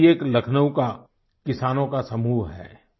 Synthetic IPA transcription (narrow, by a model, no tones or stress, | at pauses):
eːklɐkʰnəwka | kɪsaːnõkasɐmuːɦɦɛ̰ː